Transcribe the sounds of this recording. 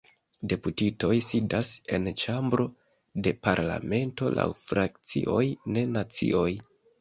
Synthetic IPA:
de̞putito̞jsidase̞nt͡ʃambɾo̞ | de̞paɾla̰me̞nto̞̰la̰wfɾak̚t͡sḭʔo̞jne̞nat͡sḭʔo̞j

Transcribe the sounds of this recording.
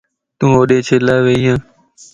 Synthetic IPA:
t̪ũːoːɗeːt͡ʃʰeːlaːʋeːjãː

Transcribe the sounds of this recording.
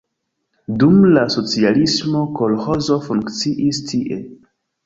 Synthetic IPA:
dumlaso̞t͡sialismo̞ko̞lho̞zo̞fuŋkt͡siʔistʰiʔe̞

